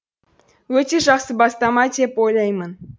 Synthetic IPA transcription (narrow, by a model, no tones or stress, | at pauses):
ɵt̪ʲeʒɑχsəbɑst̪ɑmɑt̪ʲepojlʲɑjmən